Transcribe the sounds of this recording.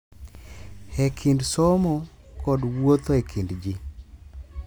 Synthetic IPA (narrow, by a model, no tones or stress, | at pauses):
hekʰindsɔmɔ | kɔdwot̪oekʰindd͡ʒi